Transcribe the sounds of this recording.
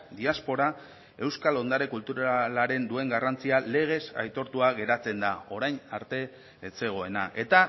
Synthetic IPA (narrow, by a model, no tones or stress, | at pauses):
d̪iaspo̞ɾa | e̞wskalo̞nd̪aɾe̞kult̪uɾalaɾe̞nd̪ue̞ŋɡarant͡siale̞ɣ̞e̞sa̰jt̪o̞ɾt̪uaɣe̞ɾat͡se̞nd̪ao̞ɾajnaɾt̪e̞ː | se̞ɣ̞o̞e̞naʔe̞t̪a